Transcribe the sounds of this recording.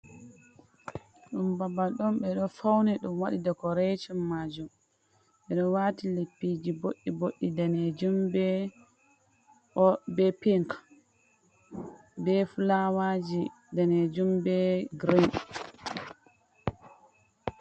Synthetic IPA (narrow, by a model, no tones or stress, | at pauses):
ɗumbabaɗɔnɓɛɗɔfawnɛɗumwaɗidakɔɾɛt͡ʃɔmːaːd͡ʒum | ɓɛɗɔnwaːtilepːid͡ʒiboɗːiboɗːidanɛd͡ʒumbɛ | ʔɔbɛpiŋk | bɛfulawad͡ʒi | danɛd͡ʒumbɛɡɾin